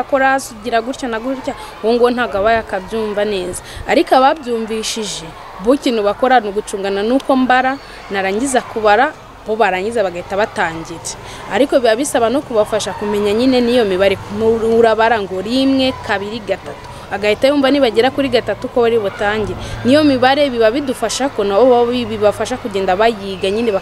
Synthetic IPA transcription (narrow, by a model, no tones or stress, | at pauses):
akoɾasuɟiɾaɡuɾcanaɡuɾca | woŋɡonaɡaβajakabjuːɱvane̞ːzaaɾikoaβabɟuːɱviʃiʒe̞ | βuciːn̥uβako̞ɾanuɡut͡ʃuːŋɡananuko̞mbaɾa | naɾaːɲizakuβaɾa | βoβaɾaːɲɟizaβaɡaitaβataːɲɟiɾe | aɾikoβiaβisaβanokuβafaʃakume̞ɲaɲine̞nijo̞miβaɾeuɾaβaɾaŋɡo̞ɾimŋe̞kʰaβiɾiɡatatu̥ | aɡajitajoːmvaniβaɟeɾakuɾiɡatatukoβaɾiβotaːɲɟiɾenijo̞miβaɾeβiβaβidufaʃakonaβoiβiβafaʃakuɟeːndaβajiːɡaɲineβa